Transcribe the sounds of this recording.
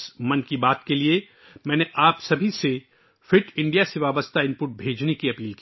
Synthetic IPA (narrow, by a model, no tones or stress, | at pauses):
smɐnkibaːt̪kelie | mɛ̃ːneʔaːpsɐbʱise | fɪʈɪ̃ɳɖijaseʋaːbəst̪ʰaɪ̃mpʊʈ̚bʱeːd͡ʒnekiɐpiːlk